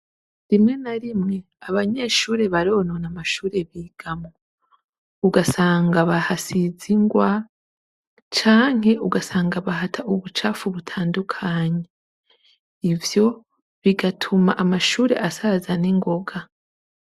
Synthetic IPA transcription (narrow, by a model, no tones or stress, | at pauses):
ɾimŋe̞naɾimŋe̞ | aβaɲe̞ːʃuːɾe̞βaɾo̞nonamaʃuːɾe̞βiːɡ̥amo | uɡasaːŋɡaβahasiziŋɡwa | t͡ʃaːŋ̥ɦe̞ʔuɡasaːŋɡaβahatʰaʔuβut͡ʃafuβutʰaːndukʰaːɲe̞ | ivjo̞ | βiɡatʰumaʔamaʃuːɾe̞̰ʔasazaniŋɡo̞ɡa